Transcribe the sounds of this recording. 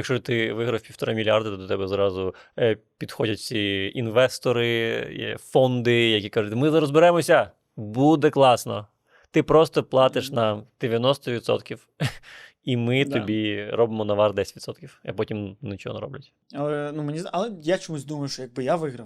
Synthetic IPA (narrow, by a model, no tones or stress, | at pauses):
jɐkʃt͡ʃɔt̪ɪʋɪɦɾɐwpʲiwt̪ɔɾɪmʲilʲjard̪ɐt̪ɔt̪ɔt̪ɛbɛzɾɑzʊpʲid̪xɔdʲɐtʲiinʋɛst̪ɔɾɪ̰ | fɔnd̪ɪjɐkʲikɑʒʊt̪ʲmɪzɐɾɔzbɪɾɛmɔsʲɐ | bud̪ɛklˠɑsnɔ̰ | t̪ɪpɾɔst̪ɔplˠɑt̪ɪʃnɐd̪̥eʋʲjɐnɔst̪ɔʋʲid̪sɔ̰t̪kʲiw | imɪt̪ɔbʲiɾʔɔbɪmɔnɐʋɑrd̪ɛsʲtʲʋit̪sɔt̪kʲiwɐpɔtʲimnɛt͡ʃɔɦɔ̰nɛ̰ɾɔ̰blʲɐtʲ | ɐlˠɛnumenʲizɐlˠɛjat͡ʃɔmusʲd̪umɐjʊʃt͡ʃɔjɐɡ̚bɪjaʋɪɦɾɐw